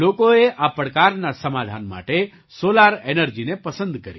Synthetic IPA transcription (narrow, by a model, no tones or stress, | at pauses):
lokoeʔapɾkaɾnasəmad̪ʱa̰nma̰ʈe | solaɾenəɾd͡ʒinepəsə̃nd̪kəɾi